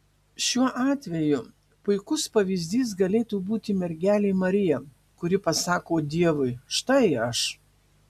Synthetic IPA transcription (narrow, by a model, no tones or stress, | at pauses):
ʃʲuɔʔɑːt̪ʲʋʲɛjʊ | pʊɪkʊspɐʋʲizʲd̪ʲiːsɡɐlʲeːt̪uːbuːt̪ʲɪmʲɛɾʲɡʲæːlʲeːmɐɾʲɪjɛ | kʊɾʲɪpɐsɑːkoːd̪ʲiɛʋʊɪʃt̪ɐɪɐʃ